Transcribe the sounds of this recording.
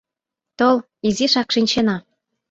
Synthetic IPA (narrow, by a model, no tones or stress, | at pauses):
t̪ol | iziʃɑkʃinʲt͡ɕenɑ